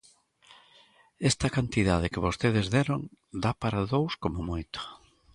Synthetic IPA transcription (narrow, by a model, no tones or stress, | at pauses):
ɛst̪ɐkant̪iðað̞ɪkɪβost̪eð̞ezðeɾoŋd̪apaɾaðowskomomojt̪o̥